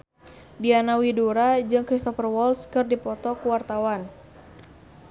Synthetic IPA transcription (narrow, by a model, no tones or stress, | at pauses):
dianawiduɾad͡ʒɨŋkɾist̪ɔfərwɔlskɨrdipɔt̪ɔkuwart̪awan